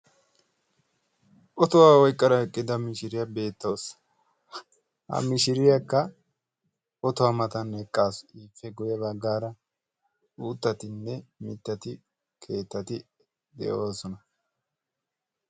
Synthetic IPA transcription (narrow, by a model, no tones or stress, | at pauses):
ʔɔt̪ɔwaːwɔjkʼːɐɾɐɛkʼːɪd̪ɐmɪʃɪɾɪjɐbe̞ːt̪ːɐws | hɐ̰mɪʃɪɾɪjɐkːɐ | ɔt̪ɔwɐmɐt̪ɐnːɛkʼːaːsiːfːɛɡʊjɐbɐɡːaːɾɐ | uːt̪ːɐt̪ɪnːɛmɪt̪ːɐt̪ɪ | kʰe̞ːt̪ːɐt̪ɪ | d̪ɛ̰ʔoːsɔnɐ